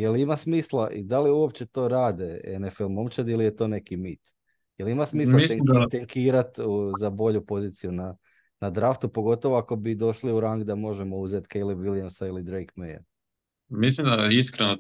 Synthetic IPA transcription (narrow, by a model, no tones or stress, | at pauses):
jelimasmiːslˠaʔḭd̪aliuo̞p̚t͡ɕe̞t̪o̞ːɾaːd̪eenefelmo̞mt͡ʃat̪ilijet̪o̞ːne̞kimit̪ | jelimasmiːllamiselŋimd̪at̪eŋkʰiːɾat̪uzabo̞ʎupo̞ziːt̪sijuna | nad̪ɾaft̪upo̞ɡo̞t̪o̞ʋoako̞bid̪o̞ʃliuɾaŋɡd̪amo̞ʒemo̞uzet̪kejlˠebʋiljamsailid̪ɾejkmeja̰ | mis̬limd̪aiskɾeno